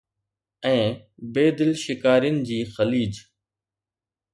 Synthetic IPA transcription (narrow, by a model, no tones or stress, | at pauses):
ɛ̃ː | beːd̪ɪlʃɪkaːɾijənɪ̆d͡ʑiːxəliːd͡ʑ